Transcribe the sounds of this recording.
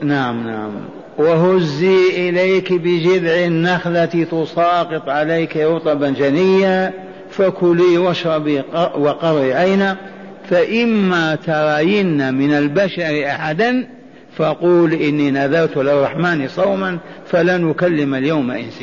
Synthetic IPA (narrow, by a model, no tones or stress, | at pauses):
naʕamnaʕa̰m | waɦʊzːiʔɪlaːkbɪd͡ʒɪd̪ʕɪnːaxlat̪it̪ʊsˤɑːqɨt̪ˤʕalajkɾʊt̪ˤɑbad͡ʒanɪjːa | fakʊliwaʃɾˤɑbiwɑqɑɾˤiʕajna | faʔɪmːat̪ɑɾˤɑːjɪnːamɪnalbaʃaɾʔaħad̪an | faquːlʔɪnːinaðɑɾˤt̪lɪrˤːɑħmaːnisˤɑwmanfalanʊkalːɪmaljawmaʔɪ̰nsɪ